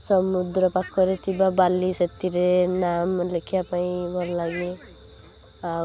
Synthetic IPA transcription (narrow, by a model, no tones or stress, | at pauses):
sʌmud̪ɾʌpakʰːʌɾet̪ibabalːisʌt̪ːiɾenamlekʰjapaĩmʌɾlaɡe | a